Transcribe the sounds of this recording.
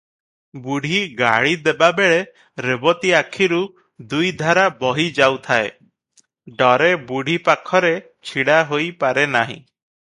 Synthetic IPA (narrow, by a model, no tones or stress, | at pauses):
buɽ̤ʱiɡa̰ɭid̪ebabeɭe | ɾebɔt̪iakʰiɾu | d̪ujd̪ʱaɾabɔɦid͡ʒawt̪ʰae | ɖɔɾebuɽ̤ʱipakʰɔɾe | t͡ʃʰiɽaɦojpaɾenaɦḭ̃